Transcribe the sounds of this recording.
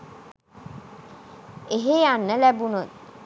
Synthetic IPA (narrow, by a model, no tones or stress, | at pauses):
eɦeanːəlæbunot̪̚